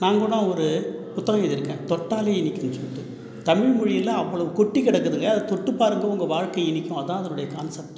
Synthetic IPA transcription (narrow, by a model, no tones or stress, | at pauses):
naːŋɡoɽãːɔɾɯpʊt̪ːɐɣɐ̃ɪðɪɾɯkːẽːt̪ɔʈːaːleːɪnːɪkʲːʊmsɔlːɪʈːɯ | t̪ɐmɪɻmʊɻɪjɪlɐɐʋːɐɭɐʋɯkɔʈːikɪɽɐkːɯðɯŋɡɐɐðɐt̪ɔʈːɯpːaːɾɯŋɡɐʊŋɡɐʋaːɻkɐɪnɪkʲːʊ̃ɐðãːɐðɐnʊɽɐjɐkaːnsɐp̚t̪